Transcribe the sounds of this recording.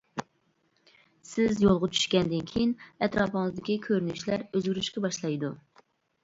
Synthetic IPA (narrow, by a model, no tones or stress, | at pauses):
sɪzjolˠʁɑt͡ʃʰy̥ʃkʲɛnd̪ɪnkʲʰejinɛt̪ɾɑːpəŋɨzd̪ɪkʲikʲʰøɾynyʃlæɾøzɡʲyɾyʃkʲɛbɑʃlˠɑjd̪u